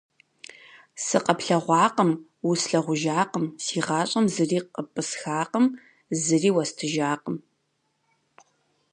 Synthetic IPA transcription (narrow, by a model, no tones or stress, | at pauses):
sɨqɐpɬɐʁʷɑːqəm | wʊsɬɐʁʷʊʒaːqəmsiːʁɑːɕʼɐmzɨriːqəpʼɨsxaːqəm | zɨriːwɐstʰɨʒaːqəm